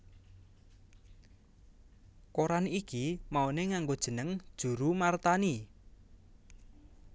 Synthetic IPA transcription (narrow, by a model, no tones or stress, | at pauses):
koɾanikimaoneŋaŋɡod̥ʒ̥ə̤nəŋd̥ʒ̥ṳɾumart̪ani